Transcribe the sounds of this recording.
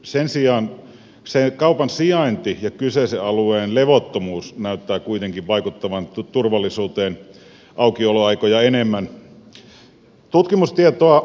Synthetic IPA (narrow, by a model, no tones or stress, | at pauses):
sensiɑːn | sekɑupɑnsiɑint̪ijɑkyseseɑlueːnleʋot̪ːomuːsnæˑyt̪ːæːkuit̪eŋkiʋʋɑikut̪ːɑʋɑnt̪urʋɑlːˑisuːt̪eːn | ʔɑukioloɑikojɑenemːæn | t̪ut̪kimust̪iet̪oɑ